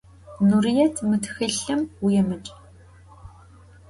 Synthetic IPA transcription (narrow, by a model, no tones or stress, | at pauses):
nurijɛtʰmɨtʰxɨɬɨmwujɛmɨt͡ʃʼ